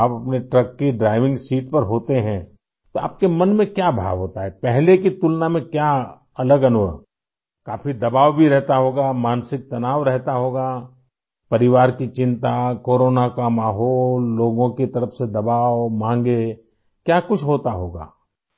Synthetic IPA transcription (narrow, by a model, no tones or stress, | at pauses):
apɐpneʈɾɐkːeɖɾaːɪʋɪ̃ŋɡsiːʈpɐɾɦoːt̪eɦɛ̃ | t̪oa̰ːp̚kemɐnmẽkjabʱa̰ːʋɦoːt̪aɦɛpɛɦlekit̪ʊlnamẽkja | ɐləɡɐnʋəɾ | kaːfid̪ɐbaːʋbʱiɾɛɦt̪aɦoːɡamaːnsɪk̚t̪ɐnaːʋɾɛɦt̪aɦoːɡaː | pɐɾɪʋaːɾkit͡ʃɪ̃nt̪akoːɾoːnakamaːɦɔːlːoːɡõkit̪ɐɾəfsed̪ɐbaːwmãːŋɡe | kjaːkʊt͡ʃʰɦoːt̪aɦoːɡa̰ː